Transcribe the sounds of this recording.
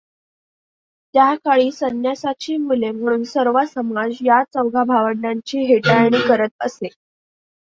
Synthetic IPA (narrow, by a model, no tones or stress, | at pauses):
t̪jakaɭiːsənjasat͡ɕiːmulem̤əɽ̃uːnsəɾʋasəmad͡zjat͡səwɡʱabʱaʋəɽnaɲt͡ɕiːɦeʈajɽ̃iːkəɾət̪̚əse